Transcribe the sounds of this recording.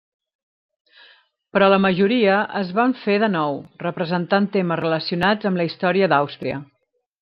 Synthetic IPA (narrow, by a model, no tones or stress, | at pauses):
pɾɔləməʒuɾiəʔəzβaɱfeðənɔwrəpɾəzənt̪ant̪eməzrələsiunad͡zəmləist̪ɔɾiəd̪awst̪ɾiə̰